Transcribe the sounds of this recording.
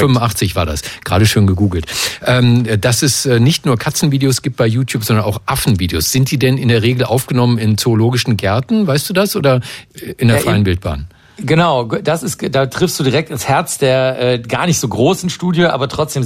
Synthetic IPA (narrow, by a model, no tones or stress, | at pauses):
fʏmʊnʔaχt͡sɪçv̥aːɐda̰sɡ̥ʁaːɾəʃoːnɡəɡuːɡl̩tʔɛːmd̥asɛsʔɛːnɪçtnuːɐkʰat͡sn̩viːdeosɡ̥iːp̚t̚b̥aɪjuːtʰjuːpz̥ɔndɐnʔa̰ʊxʔafn̩viːdeo̰ːsz̥ɪnt̚d̥iːdɛnɪndeːɐʁ̞eːɡl̩ʔa̰ʊfɡ̥ənɔmənɪnt͡soːloːɡɪʃn̩ɡɛɐtn̩vaɪstd̥uːdasʔoːdɐʔɪndːɐfʁɪənbɪlt̚b̥a̰ːn | ɡənaʊdasɪstdaːtʁ̥ɪfstd̥uːdiʁɛk̚tɪnshɛɐt͡sd̥eːɐʔɛːɡa̰ːɐnɪçtz̥oːɡʁoːsɪn̩ʃtuːdjəʔa̰ːbɐtʁ̥ɔt͡sd̥eːm